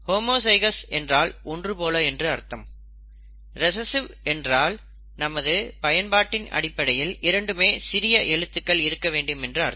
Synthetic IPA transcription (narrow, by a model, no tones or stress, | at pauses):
hoːmoːsɐɪɣɐsɛndraːlɔndrɯpoːlɐɛndrɯɐɾt̪ːɐm | ɾɛsɐsɯʋɛndraːl | nɐmɐðɯpɐjɐnbaːʈːɪnɐ̰ɽɪpːɐɽɐjɪlɪɾɐɳɖɯmeːsɪɾɪjɐʔɛɻɯt̪ːɯkːɐɭɪɾɯkːɐʋeːɳɖɯmɛndrɯɐɾ